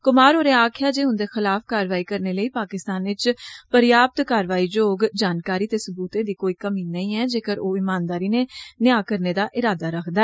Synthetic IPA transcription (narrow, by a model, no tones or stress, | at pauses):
kʊmaːɾoːɾeːaːkʰɪjaːd͡ʒeːɦʊ̃nd̪eːxɪlaːfkaːɾʋaːiːkəɾneːləiːpaːkɪst̪aːnʋɪt͡ʃpəɾɪjaːp̚t̪kaːɾʋaːiːd͡ʒoːɡd͡ʒaːnkaːɾiːt̪eːsʊbuːt̪ẽːd̪iːkoːiːkəmiːnəĩːɛːd͡ʒeːkəɾoːɪmaːnd̪aːɾiːnenɪjaːkəɾneːd̪aːʔɪɾaːd̪aːɾəkʰd̪aɛː